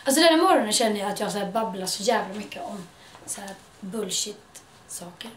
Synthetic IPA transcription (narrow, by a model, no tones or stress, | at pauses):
als̬ɔd̪ɛnːæmɔɾɔnənɕɛnːəjaːt̪jɑːhasæːɾbablaʂɔjæːvlamʏkːəɔm | sæːɾ | bɵlʃɪt̪ | sɑːkəɾ